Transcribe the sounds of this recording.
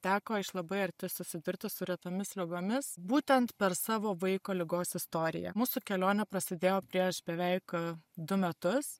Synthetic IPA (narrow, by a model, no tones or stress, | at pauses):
t̪ʲæːkoːɪʃlˠɐbɐɪɐɾʲt̪ʲɪsʊsʲɪd̪ʊɾʲt̪ʲɪsʊɾʲɛt̪omʲɪslʲɪɡoːmʲɪsbuːt̪ʲɛnt̪pʲɛɾsɑːʋoːʋɐɪkoːlʲɪɡoːsɪst̪oːɾʲɪ̰jɛ̰muːsuːkʲɛlʲoːnʲɛpɾɐsʲɪd̪ʲeːjoːpʲɾʲiɛʃbʲɛʋʲɛɪkd̪ʊmʲɛt̪ʊs